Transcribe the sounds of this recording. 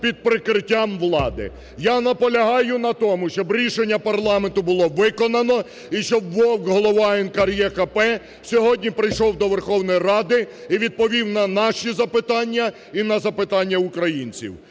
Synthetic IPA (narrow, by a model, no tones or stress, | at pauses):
pʲid̪̚pɾɪkɾɪtʲːamʋlˠɑd̪ɪ̰ | janɐpɔlʲɐɦɑjʊnɐt̪ɔmʊʃt͡ʃɔbɾʲiʃenʲːɐpɐrlˠɑment̪ʊbʊlˠɔʋɪkɔnɐnɔ | iʃt͡ʃɔbːɔwkɦɔlˠɔʋɑɛnkɐɾjɛkɐpɛ | sʲɔɦɔdʲnʲipɾɪjʃɔwd̪ɔʋerxɔwnɔjirɑd̪ɪiʋʲid̪̚pɔʋʲiwnɐnɑʃizɐpɪt̪ɑnʲːɐ | inɐzɐpɪt̪ɑnʲːɐʊkɾɐjinʲt͡sʲḭw